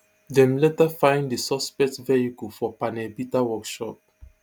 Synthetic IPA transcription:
dɛ̃mlɛtafãɪ̃ndəsɔspɛk̚tvɛikufɔpanɛbitawɔkʃɔp̚

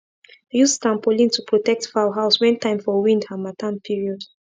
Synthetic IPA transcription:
jusstãmpolĩntʰupʰɹɔtɛk̚tfaʊɦaʊswɛ̃ntʰãɪ̃mfɔwĩndhamatʰãnpʰiɹiɔd̥

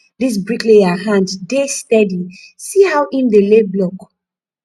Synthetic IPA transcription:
ðis̬bɹikleaɦãnddestɛdi | sihawʔĩndeleblɔk

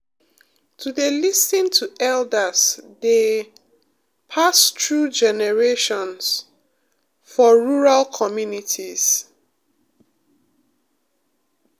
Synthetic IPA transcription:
tʰuðelisĩntʰuɛldəzde | pʰastʰɹud͡ʒɛnɛɹeʃɔ̃ns | fɔɹuɹalkʰɔmjunitʰiz̥

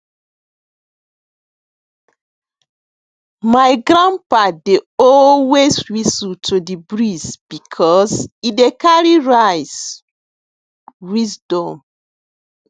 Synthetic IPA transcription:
majɡɹãnpadeɔlweswisutʰudibɹizb̥ikʰɔsidekaɹiɹajs | wizdɔ̃m

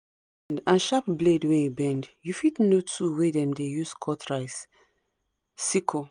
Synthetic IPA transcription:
ndãnʃap̚bledweebɛ̃ndjufitnotʰuwedɛ̃mdejuskʰɔtʰɹaɪs | sikʰo

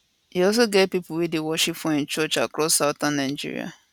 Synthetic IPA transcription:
iɔs̬oɡɛt̚pipʊwidewɔʃipfɔɪ̃nt͡ʃɔt͡ʃakɾɔsːaʊtanːaɪd͡ʒḭɾḭa̰

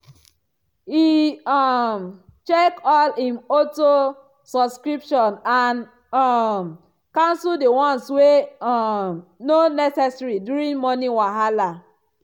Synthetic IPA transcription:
hiɔmt͡ʃekɔlĩnoto | sɔbskɹipʃɔ̃nan | ɔm | kãnsuldewɔ̃nswe | mnonɛsɛsɹidjuɾĩŋmɔniwaɦala

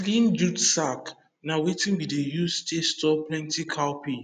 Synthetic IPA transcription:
lĩnd͡ʒudsak | nawetĩnbidejustestɔplɛ̃ntʰikʰawpʰi

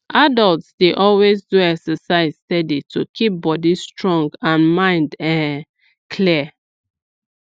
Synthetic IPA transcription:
ʔadɔltsdeʔɔlwezduɛksəsaɪzstɛditʰukʰip̚bɔdistɹɔ̃ŋɡãnmãɪ̃ndɛ̃ | kʰliə

